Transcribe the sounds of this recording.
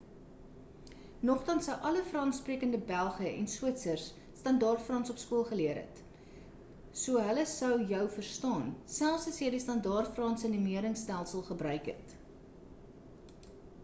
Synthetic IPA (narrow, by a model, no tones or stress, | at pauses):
nɔχtɐnsəwʔɐləfrɑnspriəkəndəbælˠχəʔɛ̰nswiətsərs | stɐndɑːrtfrɑnsɔpskuəlˠχəliəɾɛ̰t | suəɦələsəwjœwfərstɑːnsælˠfsɐsjəjdistɐndɑːrtfrɑnsəənimiəɾəŋstælˠsəlˠχəbrœɥkɦɛ̰t